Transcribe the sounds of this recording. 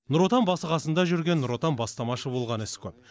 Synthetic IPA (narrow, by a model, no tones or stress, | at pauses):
nʊɾo̞t̪ɑmbɑsəʁɑsənd̪ɑʒʏɾɡʲe̞nːʊɾo̞t̪ɑnbɑst̪ɑmɑʃəbo̞lˠʁɑnɪskʲʰɵp